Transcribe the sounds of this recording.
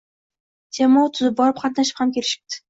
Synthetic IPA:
d͡ʒamɒat̪ʰʊzɪp̚bɒɾɪp̚qʰɑt̪naʃɪ̥phamkʲʰelɪʃɪ̥p̚t̪ʰɪ̥

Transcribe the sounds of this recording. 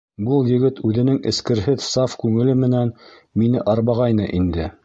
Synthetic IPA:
bɤlˠjɘ̆ɡɘt̪ʉðɘ̆nɘŋɘ̆skɘ̆ɾɦɘðsɑfkʉŋɘ̆lɘmɘ̆næn | minɘʔɑɾβɑʁɑjnɤʔind̪ɘ

